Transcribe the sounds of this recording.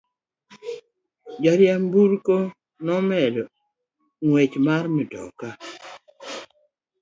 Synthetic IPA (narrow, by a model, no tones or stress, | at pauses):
d͡ʒaɾjambuɾko | nɔmɛdɔ | ŋwet͡ʃmaɾmɪdɔ̰ka